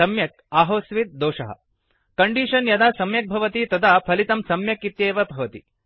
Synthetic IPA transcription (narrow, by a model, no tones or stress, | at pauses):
ɐmjɐk̚aːɦoːsʋit̪̚d̪oːʂɐ̰ɦɐ̰ | kɐɳɖiːʂɐnjɐd̪aːsɐmjɐk̚bʱɐʋɐt̪it̪ɐd̪aːpʰɐlit̪ɐmsɐmjɐkit̪jeːʋɐbʱɐʋɐt̪ḭ